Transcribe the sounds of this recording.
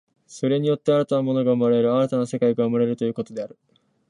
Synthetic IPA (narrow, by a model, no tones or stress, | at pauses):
so̞ɾe̞ɲ̟ijo̞t̪ːe̞aɾat̪anamo̞no̞ɡaɯmoɾaeɾɯ̟aɾat̪anase̞kaiɡaɯmɯɾeɾɯ̟t̪ojɯ̟ːko̞t̪o̞d̪e̞aɾɯ̟